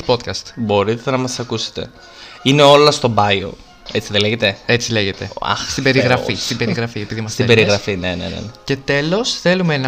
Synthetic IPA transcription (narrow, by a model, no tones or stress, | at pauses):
po̞t̪kɐst̪bo̞ɾit̪enɐmɐsɐkuse̥t̪e̞̰ | ine̞o̞lɐst̪obɐjo̰ | e̞t͡siðeleʝet̪e̞e̞t͡sile̞ʝe̞t̪e̞a̰xst̪ibe̞ɾiɣɾɐfist̪ibe̞ɾiɣɾɐfiepiðimɐst̪iebeɾiɣɾɐfinenḛnḛnece̞t̪e̞lo̞sθe̞lumeenɐ